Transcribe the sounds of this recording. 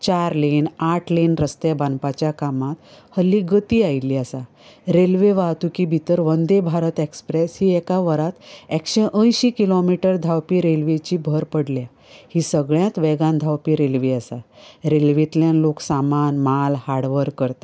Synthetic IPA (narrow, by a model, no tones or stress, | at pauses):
t͡ɕaɾlinaʈʰlinɾəst̪jebanpat͡ɕjakamat̪həlːiɡət̪iːajlːiːəsa | ɾelʋeʋat̪ukibʱit̪əɾʋənd̪ebʱaɾət̪ekspɾeshiːɛkaʋəɾat̪ekɕeʔə̃jɕikilomiʈəɾd̪ʱawpiɾelʋet͡ɕiːbʱəɾpəɽlja | hiːsəɡɭjãt̪ʋɛɡãnd̪ʱawpiɾelʋeəsaɾelʋet̪ljãnloksamanmalhaɽʋəɾkːəɾt̪ḁ